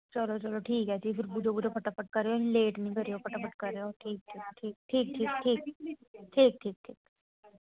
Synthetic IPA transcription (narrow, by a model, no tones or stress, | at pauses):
t͡ʃəloːt͡ʃəloːʈʰiːkɦɛːd͡ʒipʰɪɾbud͡ʒobʊd͡ʒopʰəʈaːpəʈ̚kəɾːeoĩleːʈnĩːbʱəɾeoːpʰəʈaːpəʈ̚kəɾːeoːʈʰiːk̚ʈʰiːkʈʰiːk̚ʈʰiːk̚ʈʰiːk̚ʈʰiːk̚ʈʰiːk̚ʈʰiːk̚ʈʰiːk